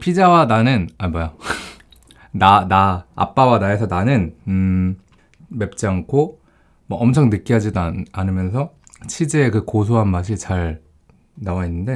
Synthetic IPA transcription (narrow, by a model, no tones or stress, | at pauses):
pʰid͡ʑawananɯnamʌja | nana̰ːp͈awanae̞sʰʌnanɯn | me̞p̚t͡ɕ͈iaŋkʰo | mʌʔʌmt͡ɕʰʌŋnɯk͈iɦad͡ʑidaanɯmjʌns̬ʰʌt͡ɕʰid͡ʑeːkɯkos̬ʰoɦanmaɕ̬ʰit͡ɕaɭ | nawainːɯnde̞